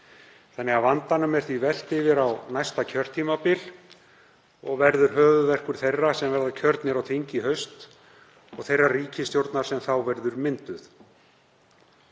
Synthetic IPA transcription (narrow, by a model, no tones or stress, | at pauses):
θanːɛɣavant̪anʏmɛr̥θvivɛl̥t̪ɪvɪɾawnajst̪acʰœr̥t̪ʰimapɪl | ɔɣvɛɾðʏɾ̥ɦœːvʏvɛr̥kʏɾ̥θejrːasɛmvɛɾðacʰœɾt̪nɪɾawθʰiɲcɪɦœɥst̪ | ɔɣθejrːariːcɪst̪jowɾt̪naɾ̥sɛmθawvɛɾðʏɾmɪnt̪ʏθ